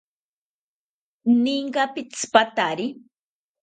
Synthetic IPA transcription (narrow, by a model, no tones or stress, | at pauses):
niŋɢɑpɪt͡spat̪aɾi